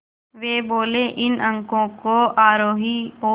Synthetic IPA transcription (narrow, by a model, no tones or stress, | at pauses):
ʋeːboːleːʔɪnə̃ŋkõːkoːaːɾoːɦiːoː